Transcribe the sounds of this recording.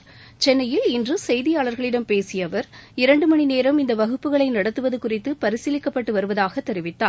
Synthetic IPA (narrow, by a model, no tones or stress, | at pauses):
t͡ʃɛnːɐjɪlɪndrɯsɛjðɪjaːɭɐɾɣɐɭɪɽɐmpeːsɪjɐʋɐɾɪɾɐɳɖɯmɐɳineːɾɐmɪnd̪ɐʋɐɣɯpːɯɣɐɭɐɪnɐɽɐt̪ːɯʋɐðɯkʊrɪt̪ːɯpɐɾɪsɪlɪkːɐpːɐʈːɯʋɐɾɯʋɐðaːɣɐt̪ːɛɾɪʋɪt̪ːaːɾ